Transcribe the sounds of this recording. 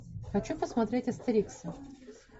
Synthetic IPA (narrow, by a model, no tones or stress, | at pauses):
xɐt͡ɕupəsmɐt̪ɾʲetʲɐst̪ɐɾʲiksə